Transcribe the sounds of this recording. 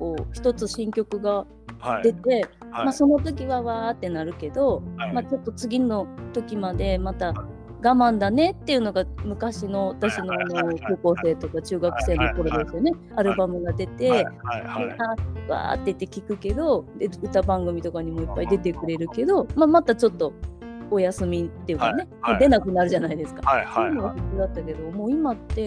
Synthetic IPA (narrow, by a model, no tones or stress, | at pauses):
ko̞ːçi̥t̪o̞t͡sɨɕĩŋkʲo̞kɯ̟ɡa | d̪e̞t̪e̞maso̞no̞t̪o̞k̬ʲiβaβaːt̪ːe̞naɾɯ̟ke̞d̪o̞mat͡ɕo̞t̪ːo̞t͡sɨɡʲino̞t̪o̞kʲimad̪e̞mat̪a | ɡamãnd̪ane̞t̪ːe̞iɯ̟no̞ɡamɯ̟kaɕino̞at̪aɕino̞ano̞ko̞ːko̞ːse̞ːt̪o̞kat͡ɕɨːɡakɯ̟̥se̞ːnːo̞ko̞ɾo̞d̪e̞sɨjo̞ne̞ | aɾɯ̟bamɯ̟ɡad̪e̞t̪e̞eaβa̰ːt̪ːe̞it̪ːe̞kʲikɯ̟ke̞d̪o̞d̪e̞ɯ̟t̪abãŋɡɯ̟mʲit̪o̞kaɲ̟imo̞ipːaid̪e̞t̪e̞kɯ̟ɾe̞ɾɯ̟ke̞d̪o̞mamat̪at͡ɕo̞t̪ːo̞ojasɨmʲit̪ːe̞jɯ̟kane̞mad̪e̞nakɯ̟naɾɯ̟ʑanaid̪e̞sɨ̥kasojɯnoβahikɨd̪at̪ːake̞d̪o̞mo̞ːimat̪ːe̞